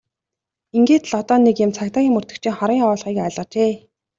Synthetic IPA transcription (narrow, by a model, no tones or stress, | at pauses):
iŋɡeːt̪ɮɔt̪ɔːnekjʊmt͡sʰakt̪aːɣʲiːŋmɵr̥t̪ɵ̆kt͡ɕʰiːŋχɔɾiːŋɔːɮʁiːkaɮʁə̆t͡ɕeː